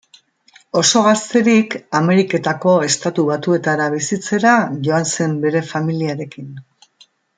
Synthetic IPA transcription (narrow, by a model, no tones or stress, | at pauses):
o̞so̞ɣast̪e̞ɾikame̞ɾike̞t̪ako̞e̞st̪at̪uβat̪ue̞t̪aɾaβ̞isit͡se̞ɾaʝo̞anse̞mbe̞ɾe̞familiaɾe̞kin